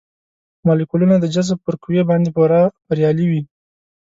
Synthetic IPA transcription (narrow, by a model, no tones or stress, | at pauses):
mɑlikulunad̪əd͡ʒazb̚pəɾkuwebɑnd̪epəɾɑbaɾjɑliwi